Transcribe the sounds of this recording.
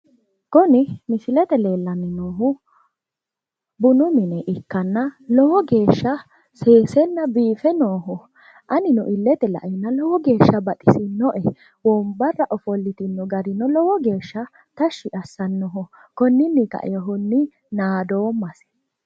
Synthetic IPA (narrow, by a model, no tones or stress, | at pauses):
kɔnɪmɪsɪlɛt̪ɛle̞ːlːɐnːɪnoːɦʊ | bʊnʊmɪnɛʔɪkːɐnːɐlɔhɔɡe̞ːʃːɐ | seːsɛnːɐbiːfɛnoːɦʊ | ʔɐnɪnɔ̰ʔɪlːɛt̪ɛlɐ̰ʔɛnːɐlɔwɔɡe̞ːʃːɐbɐt̪ʼɪsɪnɔʔɛ | wɔmbɐrːɐʔɔfɔlːɪt̪ɪnːɔɡɐɾɪnɔlɔwɔɡe̞ːʃːɐ | t̪ɐʃːɪʔɐsːɐnːɔɦʊ | kɔnːɪnːɪkɐ̰ʔɛ̰jɔɦʊnːɪ | naːd̪o̞ːmːɐsɛ̥